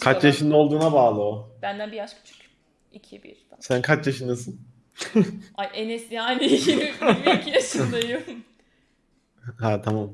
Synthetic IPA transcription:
kʰat͡ʃjaʃɯnd̪aolˠd̪uːnabaːlˠɯob̥ænd̪ænbijaʃkʲʰy̥t͡ʃʰy̥c | icʰibḭɾasænkʰat͡ʃjaʃɯnd̪asɯn | ajʔenɛst̪iajnijimibcʰijaʃɯd̪ajɯ | ɦat̪ʰamam

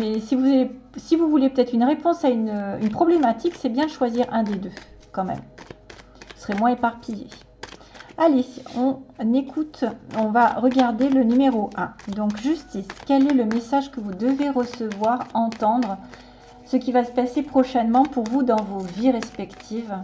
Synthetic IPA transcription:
mɛsivuzaesivuvulepət̪ɛt̪χynʁepɔ̃saynynpχɔblemat̪iksɛbjɛ̃ʃwaziʁɛ̃d̪ed̪økɑ̃mɛ̰m | usʁɛmwɛ̃epaʁpijḛ | aleɔ̃nekʰut̪ɔ̃vaʁəɡaʁd̪elənymeʁoʔɛ̃d̪ɔ̃kʒyst̪iskʲɛlɛləmesaʒkəvud̪əveʁəsəvwaʁɑ̃t̪ɑ̃d̪ʁ | səkʲivasə̥pasepχɔʃɛnmɑ̃puʁvud̪ɑ̃voviʁɛspɛkt̪ʰiv

